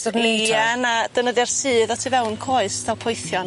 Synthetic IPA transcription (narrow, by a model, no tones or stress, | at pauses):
ɔneanad̥ənəðjarsɨːðɔtʰivɛwnkʰoːɨstʰalˠpʰɔjθjɔn